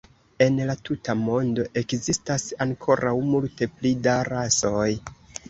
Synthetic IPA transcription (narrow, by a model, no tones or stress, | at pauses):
e̞nlatutamo̞ndo̞ʔe̞kzistasaŋkʰo̞ɾʔawmulte̞plidaɾaso̞j